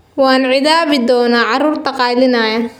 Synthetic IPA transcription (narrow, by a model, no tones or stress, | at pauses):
wɑːnʕɪðaːβɪd̪ɔːnaːʕɑruːrt̪ʰɐqɑːlɪnɐjɐ